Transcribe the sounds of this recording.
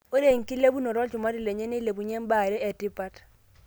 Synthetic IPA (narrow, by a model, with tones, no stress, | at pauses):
o˦ɾe˨ŋ̩˨ki˦le˦bu˦nɔ˨ɾɔ˦lt͡ʃu˨ma˦ɾi˦˨le˨ɲɛ˦ni˦le˨bu˨ɲe˦m˦ba˦˨ɾe˦ɛ˨ti˦pa˦t